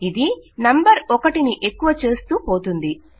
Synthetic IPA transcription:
id̪inɐmbɐɾɔkɐʈiniʔe̞kːuʋɐt͡ʃe̞ːst̪uːpo̞ːt̪und̪i

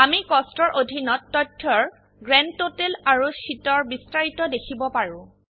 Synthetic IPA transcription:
amikɔstɔɹʔodʱinɔtːɔtʰːɔɹ | ɡɹɛntotelaɹusitɔɹbistaɹitɔdekʰibɔpaɹʊ̃

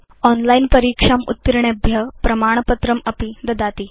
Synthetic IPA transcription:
ɔnlainpəɾiːkʂamṵt̪ːiɾɳebʱjəpɾɐmaɳ̃pət̪ɾəməpid̪ɐd̪at̪i

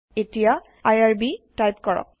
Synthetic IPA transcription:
etija | ajaɹbitajpkɔɹɔ̰k̚

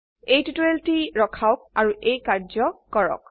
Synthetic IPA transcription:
ejtutɔeltiɹɔkʰaʊk̚aɹuʔejkaɹzɔkɔɹɔ̰k̚

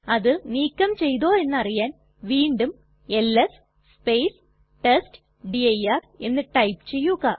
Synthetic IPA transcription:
ɐðɨniːkʲːɐmt͡ɕe̞jðo̞ːe̞nːɨɐrijaːn | ʋiːɳɖum | e̞lːes | spejs | ʈesʈ | ɖiɐjaːr | e̞nːɨʈɐjpɨt͡ɕe̞jːuɣaː

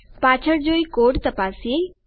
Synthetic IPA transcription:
paːt͡ʃʰəɾd͡ʒoːikoːɽt̪əpaːsie

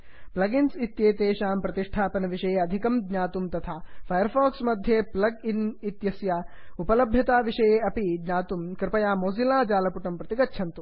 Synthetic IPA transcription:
plɐɡinsit̪jeːt̪eːʃaːmpɾɐt̪iʂʈʰaːpɐnɐʋiʂɐjeːɐd̪ʱikɐmɡɲaːt̪umt̪ɐt̪ʰaːfʰɐjɐɾfaːksmɐd̪ʱjeːplɐɡinit̪jɐsjaː | upɐlɐbʱjɐt̪aːʋiʂɐjeːɐpiɡɲaːt̪umkɾɪpɐjaːmoːsilaːd͡ʒaːlɐpuʈɐmpɾɐt̪iɡɐtːʃʰɐnt̪u

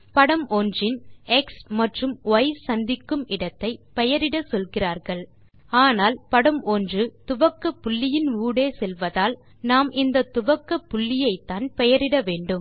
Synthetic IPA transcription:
pɐɽɐmʔoːndrɪnɛksmɐʈrɯmʋɐɪsɐnd̪ɪkːɯmɪɽɐt̪ːɐɪpɛjɐɾɪɽɐsɔlɣɪraːɾɣɐɭ | aːnaːlpɐɽɐmoːndrɯt̪ʊʋɐkːɐpːʊɭːɪjɪnuːɽeːsɛlʋɐðaːl | naːmʔɪnd̪ɐt̪ːʊʋɐkːɐpːʊɭːɪjɐɪt̪ːaːnpɛjɐɾɪɽɐʋeːɳɖɯm

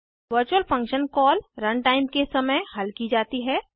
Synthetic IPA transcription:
ʋəɾt͡ʃuəlfɐ̃ŋkʃənkɔːlɾɐ̃ɳʈaːɪmkesɐməjhɐlkid͡ʒaːt̪iɦɛː

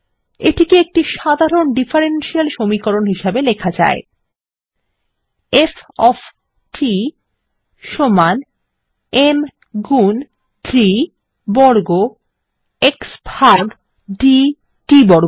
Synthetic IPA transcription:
ḛʈikiek̚ʈiʃad̪ʱaɾonɖifʰaɾenʃialʃomikoɾonɦiʃabelekʰad͡ʑa̰e | efɔf | ʈʰi | ʃoman | em | ɡun | t̪ʰɾi | bɔɾɡo | eksbʱaɡ | ɖi | ʈibɔɾ

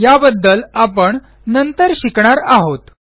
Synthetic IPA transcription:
jabəd̪ːəlapəɳ | nənt̪əɾɕikɳ̃aɾaɦot̪

